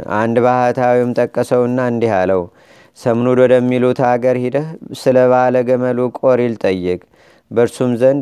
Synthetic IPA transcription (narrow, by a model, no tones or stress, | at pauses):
ʔa̰nd̪bahət̪ʰawimt̪ʼəkʼːəsəwɨnːaɨnd̪ihaləw | səmnud̪wɔd̪əmːilut̪ʰaɡəɾhɪd̪əhsɨləβaləɡəməlukʼoɾilt̪ʼəjːɨkʼ | bəɾsumzən